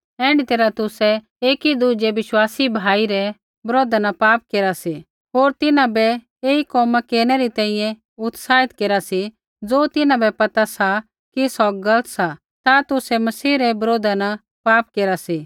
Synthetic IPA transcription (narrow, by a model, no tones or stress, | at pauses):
ɛ̃ːɳɖit̪eːɾat̪ʊsɛ | eːkid̪ud͡ʒɛʋɪʃwaːsibʱaːiɾɛ | bɐɾoːd̪ʱanapaːp̚keːɾasi | ɦoːɾt̪ɪnãbɛ | eːikɔːmakeːɾnɛɾit̪ɛ̃ːĩjɛ̃ | ʊt̪saːɪt̪keːɾasi | d͡zoːt̪ɪnãbɛpɐt̪asa | kisɔɡɐlət̪sa | t̪at̪ʊsɛmɐsiːɾɛbɐɾoːd̪ana | paːp̚keːɾasi